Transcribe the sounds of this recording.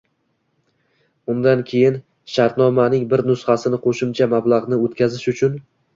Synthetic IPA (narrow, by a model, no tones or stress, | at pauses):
ʊnd̪ankʲʰe̞jɪn | ʃaɾt̪nɒmanɪŋbɪɾnʊsχasɪnɪqʰoʃɪmt͡ʃʰamablˠaʁnɪot̪kʲazɪʃʊt͡ʃʰʊn